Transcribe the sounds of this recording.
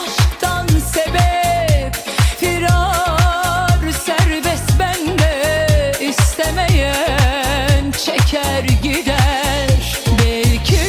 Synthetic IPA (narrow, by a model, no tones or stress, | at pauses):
ʃt̪ʰansebɛp | fiɾɑ | ɾsæɾbɛsbænd̪ɛ | ist̪ɛmejæ | nt͡ʃʰecʰæɾɟid̪æɾ | bɛlcʰi